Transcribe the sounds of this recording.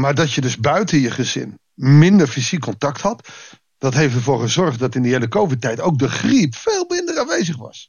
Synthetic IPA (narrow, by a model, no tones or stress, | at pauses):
maːɹdɑtjədɵzbœɥtənjəχəzɪ̰n | mɪndəɹfizikːɔntɑkthɑt | d̥ɑtɦejftdəɹvʊːɹχəzɔɹχtdɑtɪndəeləkowvɪt̚ɛjtowk̚dəχripfeːlˠmɪndəranʋejzəχʋɑ̰s